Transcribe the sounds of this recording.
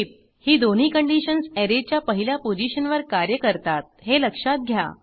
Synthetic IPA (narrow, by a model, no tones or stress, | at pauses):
p̚ | hiːd̪on̤iːkəɳɖiɕənseɾet͡ɕjapəɦiljapod͡ʑiɕənʋəɾkaɾjəkəɾt̪at̪̚ɦeləkʂat̪̚ɡʱja̰